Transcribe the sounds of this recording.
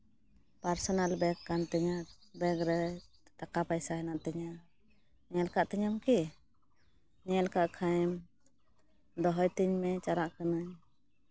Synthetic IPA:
paɾsɔnalbɛkkːant̪ɛɲabɛkɾɛ | t̪akapajsaɦɛnaʔt̪ɛɲa | ɲɛlkaʔt̪ɛɲamki | ɲɛlkaʔkʰajm | d̪ɔɦɔjt̪iɲmɛt͡ʃaɾaʔkanaɲ

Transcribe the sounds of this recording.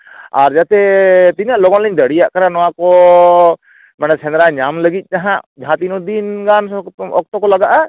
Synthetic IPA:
aɾd͡ʒat̪ɛt̪iɲaʔlɔɡɔnlɛɲd̪əɽijaʔkaɾanɔwakɔ | manasɛnɾaɲamləɡit̪̚ˀkaɦãʔd͡ʒʱãt̪inɔd̪inɡanɔk̚t̪ɔkɔlaɡaʔa

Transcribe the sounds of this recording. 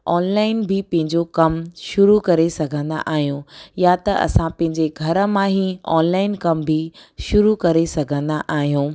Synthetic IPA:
ɔːnlaːɪnbʱɪpɐ̃ɦɪ̃ɲd͡ʑokɐmʃʊɾukɐɾesɐɡʱə̃nd̪a̰ʔaːɦijũjat̪ɐʔɐ̰sãpɐ̃ɦɪ̃ɲd͡ʑeɡʱɐɾə̆mãɦiɔ̰ːnlaːɪnkɐmbʱɪʃʊɾukɐɾesɐɡʱə̃nd̪aʔaːɦijũː

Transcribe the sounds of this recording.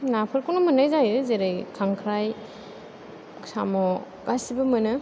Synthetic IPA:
napʰɯɾkunɔmɯnajzajɯzeɾajkʰaŋkʰɾaj | sa̰mɔ | kasibɐmɐnɯ

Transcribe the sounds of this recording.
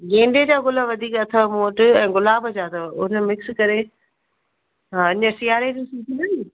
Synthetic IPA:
ɡẽːɳɖed͡ʑaːɣʊləʋɐd̪ʱiːkɐt̪ʰəmoːʈɛ̃ːɡʊlaːbəd͡ʑaːt̪ʰəʊnəmɪkskɐɾe | ʊɲə̆sɪjaːɾed͡ʑũːsiːk̪ʰinɐni

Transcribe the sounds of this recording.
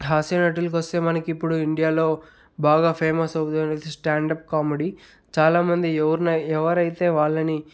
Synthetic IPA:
ɦaːsjɐnɐʈ̬ːilɐkʋɐst̪e̞ːmɐnɐkiipːuɽuiɳɖijaːlo̞ː | baːɡaːpʰeːmɐsɐwt̪unɐd̪isʈaːɳɖɐp̚kaːmeɽi | t͡ʃaːlaːmɐnd̪iɛʋɐɾunɐɛʋɐɾɐjt̪e̞ːʋaːɭːɐni

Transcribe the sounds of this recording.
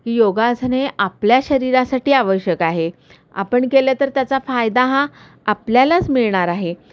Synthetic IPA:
kiːjoɡasneʔapljaɕəɾiɾasaʈiːaʋəɕjəkaɦe | a̰pəɳkelat̪əɾt̪jat͡safajd̪aɦãː | pljalat͡smiɭɳaɾaɦe

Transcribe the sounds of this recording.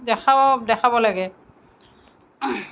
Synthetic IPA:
dɛkʰaɔdɛkʰabɔlaɡɛ

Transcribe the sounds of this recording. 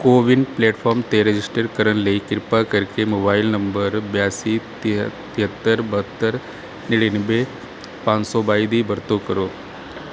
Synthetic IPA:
koːʋɪnɖpleːʈfʰɔːɾmt̪eɾed͡ʒɪsʈəɾkəɾənleikɪɾpakəɾkemoːbaːɪlnɐmbəɾbjaːsit̪ɪt̪ɪɦət̪ːəɾbɐɦət̪ːəɾ | nɪɽinbe | pãːnsɔbaːid̪ibɐɾt̪okəɾoː

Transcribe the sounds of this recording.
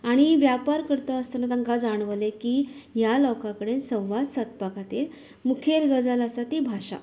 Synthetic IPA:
aɽ̃iʋjapaɾkəɾt̪əəst̪anat̪aŋkad͡zaɳ̃ʋəlekijalɔkãkəɽensə̃w̃ʋad̪sət̪̚pakat̪iɾ | mukʰelɡəd͡zaləsat̪ibʱaɕa̰

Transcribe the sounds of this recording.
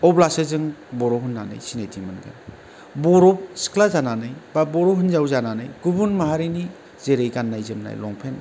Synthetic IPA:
ɔblasɯzɯŋbɔɾɔɦɯnːanɯ̰jsinejtʰimɯnɡa̰n | bɔɾɔp̚skʰlazananɯjbabɔɾɔɦɯnzawzananɯjɡubunmaɦaɾini | z̥eɾejɡanːajzɯmna̰jlɔŋpʰen

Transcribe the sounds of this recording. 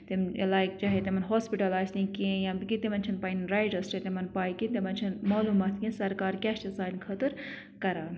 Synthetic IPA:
t̪em̰laːikt͡ʃaːɦet̪emɐnɦoːspiʈɐlaːsnĩkẽjãːbkit̪emɐnt͡ʃʰɐnpaːinɾajʈɐst͡ʃʰɐt̪emɐnpaːjkit̪emɐnʲt͡ʃʰɐnmaːluːmaːt̪ʰkʲĩsɐɾkaːɾkʲɛʃt͡ʃɐsaːnkʰɐt̪ɨɾ | kɐɾaːn

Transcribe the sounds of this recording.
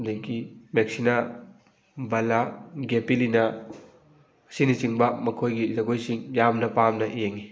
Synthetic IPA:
deɡimek̚sina | bɐlaɡepilinɐ | sinisiŋbɐmɐkʰojɡizɐɡojsiŋjamnɐpamnɐʔijeŋi

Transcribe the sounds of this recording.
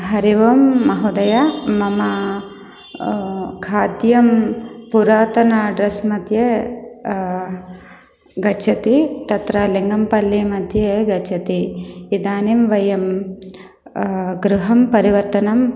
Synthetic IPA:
ɦɐɾiʋɐmːɐɦud̪ɐjamɐmɐ | kʰaːd̪jɐmpuɾaːt̪ɐnaɖɾɐsmɐd̪ʱje | ɡɐt͡ʃʰɐt̪it̪ɐt̪ɾɐliŋɡɐmpɐlːimɐd̪ʱjeɡɐt͡ʃʰɐt̪iid̪aːnimʋɐjɐm | ɡɾuɦɐmpɐɾiʋɐɾt̪ɐnɐm

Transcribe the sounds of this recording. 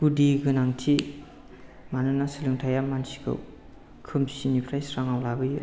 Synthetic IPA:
kudiɡɯnaŋtʰi | manɯnasilɯŋtʰajamansi̥kʰɯ̰w | kʰɯmsinipʰɾajsɾaŋawlabɯju

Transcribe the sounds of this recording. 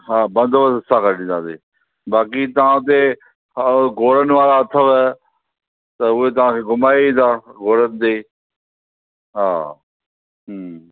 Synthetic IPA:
ɦaːbɐ̃nd̪ʋəsəsãkəɾɽĩnd̪ãːseː | baːkit̪ɐʋ̤ãt̪e | ɡoːɾənɪ̆ʋaːɾaɐt̪ʰəʋɛ | t̪ɐʊɦet̪ɐʋãkʰeːɡʊmaːiĩːt̪aːɡoːɾənɪ̆t̪eː | ɦaː | ɦ

